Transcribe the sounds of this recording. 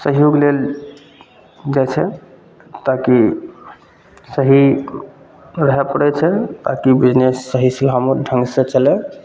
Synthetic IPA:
səɦijoɡlel | d͡ʒat͡ʃʰɛ | t̪aki | səɦi | ɾəɦɛpəɽɛt͡ʃʰɛt̪akibid͡ʒnesːəɦislamoɾɖʱə̃ŋɡsẽt͡ʃəlɛ

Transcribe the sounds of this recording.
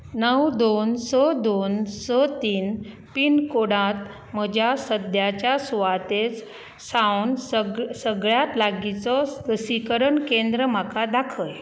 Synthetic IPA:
nəwd̪onsɔd̪onsɔt̪iːn | piːnkoɽãt̪ | m̤əd͡ʑʱjasəd̪jat͡ɕjasuʋat̪et͡s | sawnsəɡɭjat̪laɡit͡sɔsəsikəɾəɳkend̪ɾəm̤akad̪akʰəj

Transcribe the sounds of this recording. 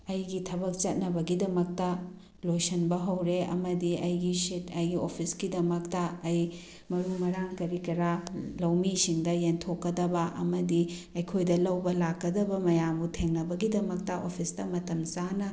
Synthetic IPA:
ɐjɡitʰɐbɐk̚t͡ʃɐt̚nɐbɐɡidɐmɐk̚tɐ | lojsɐnbɐɦɐwɾeɐ̰mɐdiʔɐjɡisitɐjɡiopʰisɡidɐmɐk̚tɐːj | mɐɾumɐɾaŋkɐɾikɐɾalɐwmisiŋdɐjentʰokːɐdɐbɐʔɐ̰mɐdi | ɐjkʰojdɐlɐwbɐlakːɐdɐbɐmɐjambutʰeŋnɐbɐɡidɐmɐk̚tɐʔopʰistɐmɐtɐmt͡ʃanɐ

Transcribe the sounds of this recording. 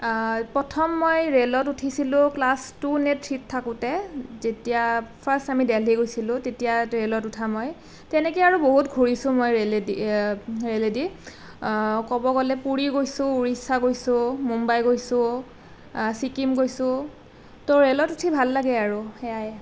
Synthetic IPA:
pɹɔtʰɔmːojɹelɔtutʰisilʊ̃klastunetʰːittʰːakʊtɛzetijapʰastamidɛliɡojsilʊ̃tetijaɹelɔtutʰamoj | tɛnɛkiaɹuboɦutɡʱuɹisʊ̃mojɹeldi | ɹeledi | kɔbɔɡɔlɛpuɹiɡojsʊ̃uɹisaɡojsʊ̃mumbajɡojsʊ̃ | sikimɡojsʊ̃ | tɔɹelɔtutʰibʱalːaɡɛaɹuxɛaj

